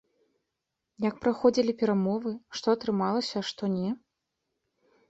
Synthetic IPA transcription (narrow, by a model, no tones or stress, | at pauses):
jɐk̚pɾaxɔd͡zʲilʲipʲɛɾamɔvɨʂt̪ɔɐt̪ɾɨmalˠɐsʲɐʂt̪ɔnʲɛ